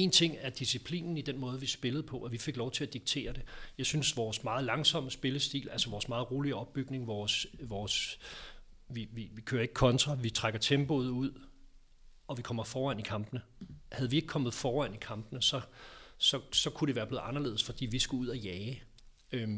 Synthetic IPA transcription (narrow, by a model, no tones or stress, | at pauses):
e̝ːnt͡sʰe̝ŋ̰æɐd̥isipʰlḭːnn̩id̥enmɔ̽ːð̞ˠʋisb̥e̝lð̩ˠpʰɒ̽ʔɒʋife̝ɡ̥lɒʊt͡sʰe̝læd̥iɡ̥̚t͡sʰe̝̰ːɐd̥e̝jɑ̈ɪsynsʋɒːsmɑ̈ːð̩ˠlɑ̈ŋsɒ̽məsb̥e̝ləsd̥ḭːlælsɐʋɒːsmɑ̈ːð̞̩ˠʁo̝ːliəɒ̽b̥ːyɡ̥ne̝ŋʋɒːsʋɒːs | ʋiʋiʋikʰøːɐe̝ɡ̥ə̥kʰɒ̽nt͡sʰʁɑ̈ʋit͡sʰʁaɡ̥ɐt͡sʰemb̥o̝ðˠuð̞̰ˠ | ɒ̽ʋikʰɒ̽m̰ɐfɒːʁæn̰ikʰɑ̈mb̥ənə | hæð̞̩ˠʋie̝ɡ̥̚kʰɒ̽m̰ð̩ˠfɒːæn̰ikʰɑ̈mb̥nəsɒ̽sɒ̽sɒ̽kʰuɾ̥e̝ʋæːɐb̥le̝ːð̩ˠɑnɐle̝ːðˠsfɒ̽d̥ḭːʋisɡ̥uuð̞̰ˠæjɛː